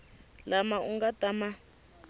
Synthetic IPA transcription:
lamauŋɡatama

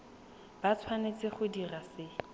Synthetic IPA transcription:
b̥at͡sʰwanet͡sɪχʊdirasɪ

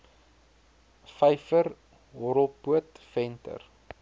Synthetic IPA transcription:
fɛjfəɾ | ɦɔɾəlˠpuətfɛntə̰r

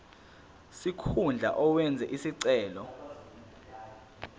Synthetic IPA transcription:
sikʰund͡ɮʱa̰ʔɔwɛnd͡zʱɛʔisiǀɛːlɔ

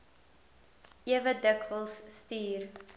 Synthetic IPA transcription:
iəvədəkvəlˠsːtiːr

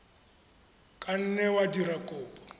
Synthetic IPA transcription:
kʼan̩nɛwadirakʼʊːpʼɔ̥

